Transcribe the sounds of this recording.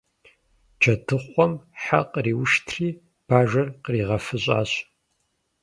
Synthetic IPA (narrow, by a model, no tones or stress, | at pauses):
d͡ʒʰɐtʰɨχʷɔmħaqʼriːwʃtʰriː | b̥aːʒɐrqriːʁɐfɨɕʼa̰ːɕ